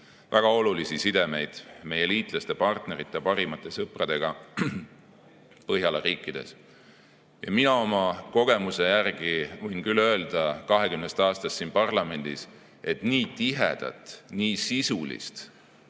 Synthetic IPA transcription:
væɡ̥ɑo̞lulisisid̪e̞me̞jd̪̥me̞jeliːt̪ˑlɑst̪epɑrt̪neɾit̪ːˑepɑɾimɑt̪ːˑe̞sɤprɑd̪̥e̞ɡ̥ɑ | pɤɦjɑleriːkːˑid̪̥e̞̰s | jɑ̰minɑo̞mɑko̞ɡ̥e̞muse̞jærɡ̥ivɤjnkylːø̞eld̪̥ɑkɑɦe̞kymnest̪ɑːst̪ɑst̪sːinpɑrlɑme̞nd̪̥is | ʔe̞t̪niːt̪iɦḛd̪̥ɑ̰t̪ˑniːsisulḭst̪

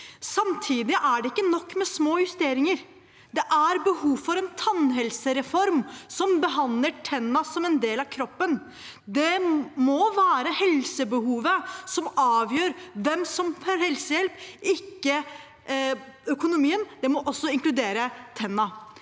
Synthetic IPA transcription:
sɑmt̪ʰiːd̪ɪʔæɖɛɪkːənɔkːmɛsmoːjʉst̪eːɾɪŋəɾ | d̪ɛʔæɾbəhuːfɔɾɛnt̪ʰɑnɦɛlsəɾɛfɔɾmsɔmbəɦɑnd̪ləʈʰɛnːɑsɔmɛnd̪eːlɑʋkʰɾɔpːən | d̪ɛmɔʋæːɾəhɛlsəbəhuːʋəsɔmɑːʋjøːɾʋɛmsɔmfɔɾhɛlsəjɛlpɪkːə | œkʊnʊmiːənd̪̥ɛmɔʔɔsːɔɪŋklʉd̪eːɾət̪ʰɛnːɑ

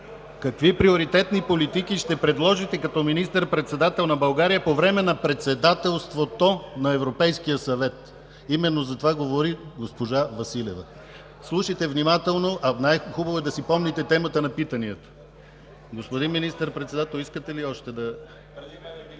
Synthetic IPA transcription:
kɐkvipɾioɾit̪ɛt̪nipolit̪ikiʃt̪ɛpɾɛd̪lˠɔʒit̪ɛkɐt̪ɔminist̪əɾpɾɛt̪sɛd̪at̪ɛlˠnɐbɐlˠɡaɾijəpovɾɛmɛnɐpɾɛt̪sɛd̪at̪ɛlˠst̪vot̪onɐɛvɾopɛjskijəsɐvɛt̪ | imɛnːozɐt̪ovaɡovoɾiɡospoʒavɐsilɛ̰və̰ | slˠuʃət̪ɛvnimat̪ɛlˠnoʔɐnajxubɐvoɛd̪ɐsipɔmnit̪ɛt̪ɛmət̪ənɐpit̪ɐniət̪ | ɡospod̪inminist̪əɾpɾɛt̪sɛd̪at̪ɛlˠiskət̪ɛliɔʃt̪ɛd̪ɐ

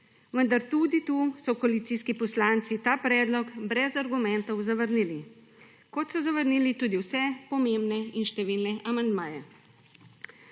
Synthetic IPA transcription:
ʋənd̪aɾt̪ud̪it̪uːsɔkoalit̪siːskipɔslaːnt̪sit̪aːpɾɛːd̪lɔkbɾɛzaɾɡumɛnt̪ɔwzaʋəɾnili | kɔt̪sɔzaʋəɾniːlit̪uːd̪iwsɛpɔmembnɛinʃt̪ɛʋiːlnɛʔamand̪maːjɛ

